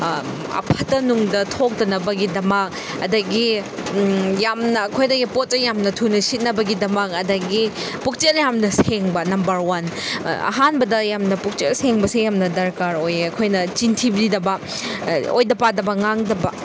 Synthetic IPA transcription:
ɐ̰pʰɐtɐnuŋdɐtʰok̚tɐnɐbɐɡidɐmɐk̚ | ɐdɐɡi | jamnɐːkʰojdɐɡipot̚t͡ʃejamnɐtʰunɐsit̚nɐbɐɡidɐmɐk̚ɐdɐɡi | puk̚t͡ʃeljamnɐseŋbɐnɐmbɐɾwanɐ̰ɦanbɐdɐjamnɐpuk̚t͡ʃelseŋbɐsijamnɐdɐɾkaɾojɐkʰojnɐt͡ʃintʰibɾidɐbɐ | o̰jdɐpadɐbɐŋaŋdɐbɐ

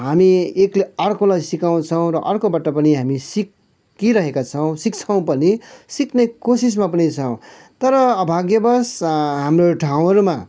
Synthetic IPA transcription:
ɦamiekleʌrkolajsikaw̃t͡sʰʌw̃ɾʌʔʌrkobaʈʌpʌniɦamisikː | iɾʌɦekat͡sʰʌw̃sik̚t͡sʰaw̃pʌnisiknʌkosis̬mapʌnit͡sʰʌw̃ | t̪ʌɾʌːbʱaɡjʌbʌsɦamroʈʰaw̃ɦʌɾuma

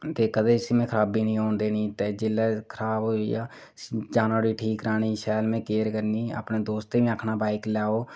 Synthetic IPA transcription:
t̪eːkəd̪eːsimɛ̃ːkʰɾaːbiːnĩːõːnd̪eːnĩːt̪eːd͡ʒɪlɛːkʰəɾaːboija̰ː | d͡ʒaːnãːɾiːʈʰiːkɾaːñiːʃɛːlmẽːkeːɾkəɾniːa̰ːpneːd̪oːst̪emĩːəkʰnaːbaːɪklaːoː

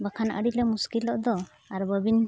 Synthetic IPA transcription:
bakʰanʔə̰ɽilɛmuskilɔʔd̪ɔ | aɾbəbin

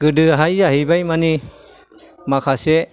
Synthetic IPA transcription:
ɡɯdɯɦajzaɦibajmani | makʰase

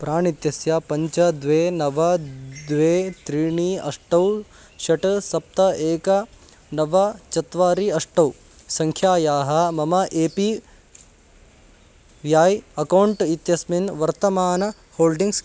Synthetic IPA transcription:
pɾaːɳit̪jɐsjɐpɐɲt͡ʃɐd̪ʋeːnɐʋɐd̪ʋeːt̪ɾiːɳiːɐ̰ʂʈɐw | ʃɐʈɐsɐp̚t̪ɐeːkɐ | nɐʋɐt͡ʃɐt̪ʋaːɾiɐʂʈɐw | sɐŋkʰjaːjaːɦɐ̆mɐmɐʔeːpi | ʋjaːjɐkɐwɳʈit̪jɐsminʋɐɾt̪ɐmaːnɐ | hoːlɖiŋɡs

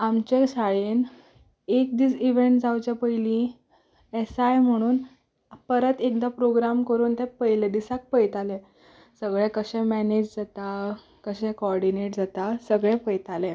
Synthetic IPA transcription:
amt͡ɕeɕaɭen | ek̚d̪iːt͡siʋeɳʈd͡zawt͡ɕapəjlĩ | esajm̤əɽ̃uːn | pəɾət̪ekd̪apɾoɡɾamkəɾuːnt̪ɛpəɦiled̪isak̚pəjt̪ale | səɡɭɛkəɕɛ̃mɛned͡ʑd͡zat̪a | kəɕɛ̃kɔɾɖineʈd͡zat̪asəɡɭɛ̃pəjt̪ale

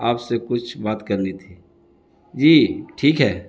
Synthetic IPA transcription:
aːpsekʊt͡ʃʰbaːt̪kɐɾnit̪ʰiː | d͡ʒiːʈʰiːkɦɛː

